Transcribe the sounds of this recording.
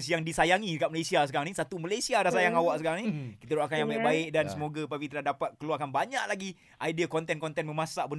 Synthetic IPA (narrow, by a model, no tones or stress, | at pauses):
sjaŋdisajaŋikaʔməlesiasəkaɾaŋnisat̪uməlajsiadahsajaŋawaʔsəkaɾaŋnikit̪aɾuakanjãmaʔbaɪʔ̚dansəmoɡapapit̪əladapat̪̚kəluakanbaɲaʔlaɡi | ʔajdiakɔnt̪ɛnkɔnt̪ɛnmə̃masaʔbən